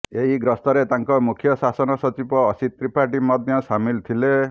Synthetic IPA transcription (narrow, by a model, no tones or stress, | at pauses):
eɦiɡɾɔst̪ɔɾet̪aŋkɔmukʰjɔsasɔnɔsɔt͡ʃipɔːsit̪ːɾipaʈimɔd̪ʱjɔsamilt̪ʰile